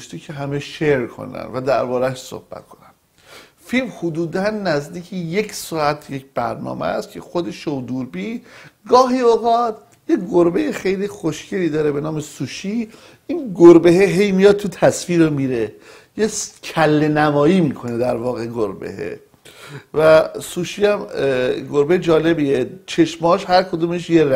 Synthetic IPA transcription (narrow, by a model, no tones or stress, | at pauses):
ʃt̪icʰeɦæmeʃeɾkʰo̰næ̰nvæd̪æɾbɒːɾæʃso̰hb̥æ̰t̪̚kʰonæn | filmhod̪uːd̪ænːæzd̪iːcʰeje̞csɒːæt̪ʰjecb̥æɾnɒ̰ːmḛæst̪cʰe̞xod̪e̞ʃowd̪uːɾbiːɡɒːɦiːoːɣɒːt̪ | jeɡoɾbejexejlixoʃcʰeliːd̪ɒːɾe̞be̞nɒːmesuːʃi | inɡoɾbeɦeɦe̞jmijɒd̪̚t̪ʰut̪ʰæsfiːɾomiɾe | jescʰælːenæmɒːjiːmikʰo̞ne̞d̪æɾvɒːɣeɡoɾbḛhḛ | væsuːʃiːæmɡoɾbejed͡ʒɒːle̞biːet͡ʃʰe̞ʃmɒːʃhæɾkʰod̪uːmeʃjeɾ